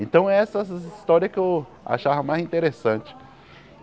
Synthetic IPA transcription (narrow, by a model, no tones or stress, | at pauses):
ẽnt̪ɐ̃w̃ɛɛsɐist̪ɔɾiɐkɪew | a̰ʃavɐmajzĩnt̪eɾesɐ̃t͡ʃɪ̥